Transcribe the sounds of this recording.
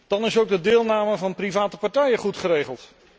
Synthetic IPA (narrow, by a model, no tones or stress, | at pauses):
d̥ɑnɪsowɡ̚dədɪːlˠnaːməvɑnprivaːtəpɑɹtɛjəχutχəɾejχəlˠt